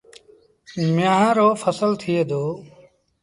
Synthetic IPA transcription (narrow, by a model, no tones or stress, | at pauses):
mjãːɦãːɾoːfʰəsəlt̪ʰɪeːd̪oː